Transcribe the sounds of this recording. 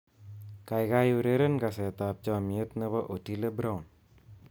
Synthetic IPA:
kajɡajuɾeɾənkaset̪ap̚t͡ʃamiət̪̚nəβɐʔoʈʰiləbɾawn

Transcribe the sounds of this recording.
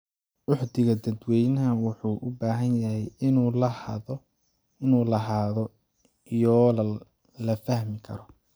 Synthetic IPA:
wʊħd̪ɪɣɐd̪ɐd̪wɛjnɐɦɐwʊħuːʔʊbaːɦɐnjɐhɛjɪnːl | ɪnuːlɐɦaːðɔ | jɔː | lɐfɐhmɪkʰɐ̰ɾɔ

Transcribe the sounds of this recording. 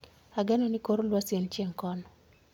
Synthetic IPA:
aɡɛnɔnikoɾolwasjent͡ʃjeŋkɔnɔ

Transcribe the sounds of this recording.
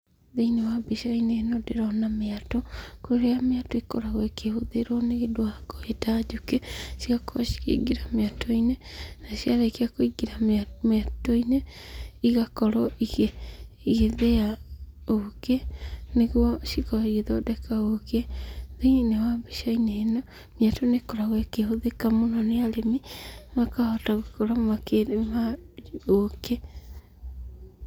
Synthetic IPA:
ðeinewabiʃainenodeɾanameatɔkoɾeameatɔikoɾaɣwɔkehoðeɾɔneɣedwaɡoetad͡ʒukeʃiɣakoβa̰ʃi̥kḛiɡiɾameatʰɔinenaʃiaɾakiakoiɡiɾamatoineiɣakɔɾɔiɣe | iɣeðeaokeneɣwɔʃikɔiɣeðodɛkaokeðuinewabeʃainenɔ | mjatonekɔɾaɣɔekehoðekamonɔnealemimakahɔtaɣekɔɾammakeɾemaoke

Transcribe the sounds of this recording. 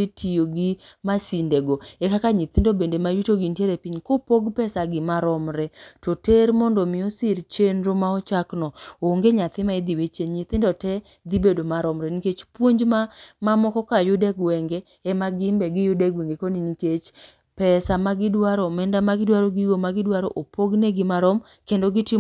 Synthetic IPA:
itʰijoɡimasindeɡoɛkakaɲit̪ɪndobendemajutoɡinteɾepiɲkopoɡpɛsaɡɪmaɾɔmɾɛtoteɾmɔndɔmɪɔsɪɾt͡ʃenɾomaɔt͡ʃaknɔoŋɡeɲat̪ɪmaid̪iwet͡ʃeɲɲɪt̪ɪndɔtɛ | d̪ibedomaɾɔmɾɛniket͡ʃpwoɲd͡ʒmamamɔkɔkajʊdɛɡwɛŋɡe | ɛmaɡɪmbɛɡɪjʊdɛɡwɛŋɡekoniniket͡ʃ | pɛsamaɡɪdwaɾɔmɛndamaɡɪdwaɾɔɡiɡomaɡɪdwaɾɔʔopoɡneɡɪmaɾɔm | kendoɡɪtɪ

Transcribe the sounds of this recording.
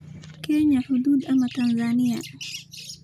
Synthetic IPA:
kɛːɲaħʊd̪uːd̪ʔamat̪ɐnzaːnɪja̰

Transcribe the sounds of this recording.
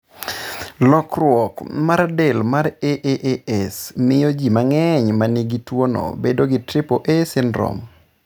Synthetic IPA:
lɔkrwɔkmaɾadɛlmaɾeʔeʔeɛsmɪjod͡ʒimaŋɛɲmaniɡitwono̰bedoɡɪtɾɪpoʔesɪndɾɔ̰m

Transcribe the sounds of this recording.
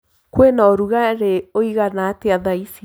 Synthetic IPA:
kwenɔɾuɣaɾeoiɣanat̪eaðaisi

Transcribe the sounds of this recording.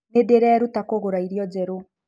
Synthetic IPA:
nedeɾɛɾutakoɣoɾaiɾjɔd͡zɛɾo

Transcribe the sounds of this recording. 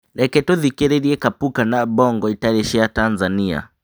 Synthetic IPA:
ɾɛkɛtɔðikɛɾɛɾiɛkapukanabɔŋɡɔitaɾɛʃɛatanzania̰

